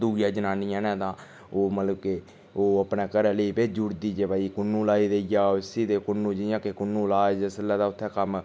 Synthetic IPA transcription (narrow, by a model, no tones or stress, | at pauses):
d̪uːjãːd͡ʒənaːnijãːnɛ̃ːt̪ãː | oːmət̪ləbke | oːəpnɛːkəɾɛːləiːpeːd͡ʒʊɾd̪iːd͡ʒeːbaːiːkʊnːũːlaːiːd̪eijaːɪsiːd̪eːkʊnːũːd͡ʒɪjãːkekʊnːũːlaːd͡ʒəsəlɛːd̪aːʊt̪ʰːɛːkəm